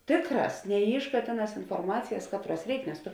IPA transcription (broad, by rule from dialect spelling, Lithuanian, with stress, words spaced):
ˈtʲeːkˌrɑːs nʲɛˈiːʃˌkɑː ˈtʲeːˌnɑːs ɪnfoːrˈmɑːt͡sʲɪjɛs ˈkɑːtˌruɔs ˈrʲɛɪk nʲɛs ˈtʊ